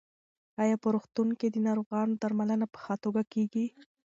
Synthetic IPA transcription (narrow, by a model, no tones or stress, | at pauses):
ɑjɑpəɾoxt̪uŋked̪ənɑɾoɣɑnod̪aɾmalənapə̥xɑt̪oɡakeɡi